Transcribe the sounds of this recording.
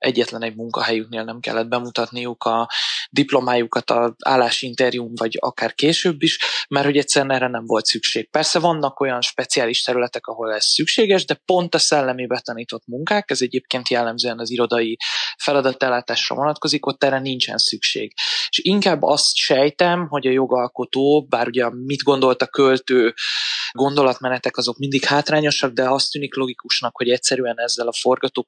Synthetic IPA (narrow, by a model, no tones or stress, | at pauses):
ʔɛɟːɛt̪lɛnɛɟ̚muŋkɒ̰ɦɛjykneːlnɛmkɛ̰lːɛd̪̚bɛmut̪ɒt̪nijukɒd̪iplo̞maːjukɒt̪ɒa̰ːlːaːʃint̪ɛɾiumvɒɟɒ̰kaːrkeːʃøːbːiʃmɛrtho̞ɟɛct̪sɛɾɛnɛːɾːɛnɛɱvo̞lt̪sykʃeːk̚pɛrsɛvɒnːɒko̞jɒnʃpɛt̪sijaːliʃt̪ɛɾylɛt̪ɛkɒɦo̞lɛsːykʃeːɡɛʒd̪ɛpo̞nt̪ɒsɛlːɛmibɛt̪ɒniːt̪o̞t̪muŋkaːkɛzɛɟeːp̚keːnt̪jɛlːɛmzøːɛnɒziɾo̞d̪ɒjifɛlɒd̪ɒt̪ːɛlːaːt̪aːʃrɒ̰vo̞nɒt̪ko̞ziko̞t̪ːɛrɛnint͡ʃɛ̰nsykʃḛːɡ̥eʃiŋkaːbːɒ̰st̪ʃɛjt̪ɛmɦo̞ɟɒjo̞ɡɒlko̞t̪oːbaːɾuɟɛmid̪ɡo̞nd̪o̞lt̪ɒkːølt̪øːɡo̞nd̪o̞lɒt̪mɛnɛt̪ɛkɒzo̞kmind̪ikhaːt̪raːɲo̞ʃɒɡ̚d̪ɛɒst̪ːyːniklo̞ɡikuʃnɒkho̞ɟɛc̚sɛɾyɛnɛzːɛlɒfo̞rɡɒt̪oː